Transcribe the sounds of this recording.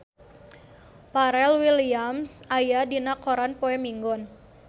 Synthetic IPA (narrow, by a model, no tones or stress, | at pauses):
paɾɛlwiliamsajadinakoɾanpoɛmiŋɡɔn